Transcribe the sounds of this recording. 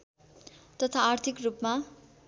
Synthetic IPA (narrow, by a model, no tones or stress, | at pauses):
t̪ʌt̪ʰaːrt̪ʰikrupma